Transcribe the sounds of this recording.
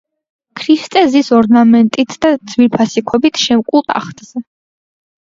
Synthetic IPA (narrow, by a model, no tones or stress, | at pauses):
kʰɾist̪ʼɛzisɔɾnamɛnt̪ʼit̪ʰd̪ad̪z̥wiɾpʰasikʰɔbit̪ʰʃɛmkʼulˠt̪ʼa̰χt̪ʼz̥ɛ